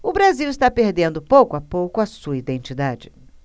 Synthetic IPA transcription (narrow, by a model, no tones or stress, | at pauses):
ʊbɾaziwɪst̪apeɾd̪ẽnd̪ʊpowkʊapowkʊɐsuɐid̪ẽnt͡ʃid̪ad͡ʒɪ